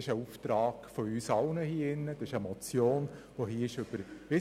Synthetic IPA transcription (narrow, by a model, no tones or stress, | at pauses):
ɪʃəuːft̪ɾɑːɡ̥fɔyːsɑʊnəhiːəɪnːəd̥ɑsɪʃəmɔt͡sjoːn | ʋoɦiːəɪʃʏb̥əɾʋɪ